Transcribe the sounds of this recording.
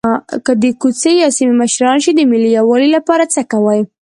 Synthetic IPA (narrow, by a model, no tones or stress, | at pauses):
kəd̪əkut͡sejɑsimiməʃɾɑnʃid̪əmɪlijawɑlilapɑɾat͡səkawaj